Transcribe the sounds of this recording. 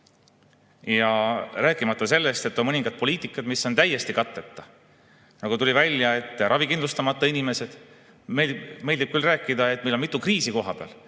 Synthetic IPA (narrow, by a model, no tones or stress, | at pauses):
jɑræːkːˑimɑt̪ːˑɑse̞lːe̞st̪e̞t̪ːˑo̞nmɤniŋɡ̥ɑd̪̥̚po̞lʲiːt̪ːˑikːˑɑd̪misːo̞nt̪æjːe̞st̪ikɑt̪ːˑe̞t̪ːˑɑ | nɑɡut̪ulʲivælʲjɑe̞t̪ːˑrʔɑvikinlust̪ɑmɑt̪ːˑɑinime̞se̞d̪̥ | me̞lʲd̪ib̥̚kylræːkːˑid̪̥ɑe̞t̪̚ːmelo̞nmit̪ːukriːsiko̞ɦɑpeɑ̰l